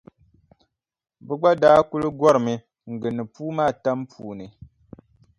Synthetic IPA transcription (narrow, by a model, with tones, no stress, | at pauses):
bɨ˦ɡ͡ba˦daː˦ku˦lɨ˦ɡɔ˦ɾɨ˨mɨ˨ | ŋ̩˨ɡɨ˨nɨ˨puː˦maː˦˨ta˦mpu˨nɨ˨